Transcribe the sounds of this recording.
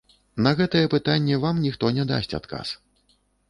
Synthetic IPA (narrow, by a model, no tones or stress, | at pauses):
nɐɣɛt̪ɐjɛpɨt̪anʲːɛvamnʲixt̪ɔnʲɛd̪a̰sʲtʲt͡sʲa̰t̪ka̰s